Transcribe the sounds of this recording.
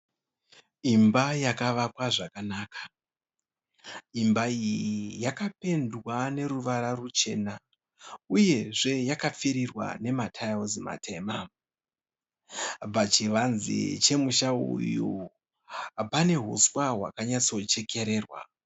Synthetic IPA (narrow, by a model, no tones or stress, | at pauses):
imbajakaʋakwaʐakanaːkḁ | imbaijjijakape̞ndwane̞ɾuʋaɾarut͡ʃe̞̰ːna | uje̞ʐe̞jakap͡fiɾirwa̰ne̞matʰajozima̰tʰe̞ma | b͡vat͡ʃiʋanzḭt͡ʃe̞muʃaṵju | pane̞ɦṵswaɦwa̰kaɲat͡so̞t͡ʃe̞kʰe̞ɾe̞ːrwa̰